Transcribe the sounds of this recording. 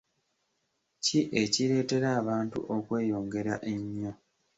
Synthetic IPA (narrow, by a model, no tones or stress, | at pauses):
ciʔe̞ciɾe̞ːte̞ɾaːβaːntṵʔo̞kwe̞ːjo̞ːŋɡe̞ɾaʔeɲːo